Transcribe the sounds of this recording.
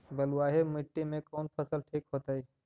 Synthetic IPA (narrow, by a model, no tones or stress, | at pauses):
bəlwaːɦemɪʈːimẽkɔːnpʰəsəlʈʰiːkɦoːt̪aːiː